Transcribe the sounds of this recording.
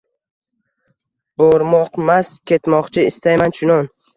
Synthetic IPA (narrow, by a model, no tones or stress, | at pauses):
boɾmɒqmaskʲʰe̞t̪mɒqt͡ʃʰɪɪst̪ajmant͡ʃʊnɒn